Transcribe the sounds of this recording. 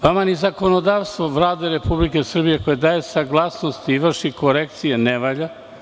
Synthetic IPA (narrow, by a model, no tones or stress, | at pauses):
ʋamanizako̞nod̪aʋst̪ʋoʋlaːd̪eɾe̞publike̞sr̩bije̞ko̞jed̪aːjesaɡlˠasnost̪iiʋr̩ʃiko̞ɾekt̪sijeneʋaʎa